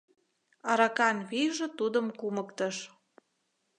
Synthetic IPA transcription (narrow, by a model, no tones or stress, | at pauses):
ɑɾɑkɑnβiʒĕt̪ud̪əmkuməkt̪əʃ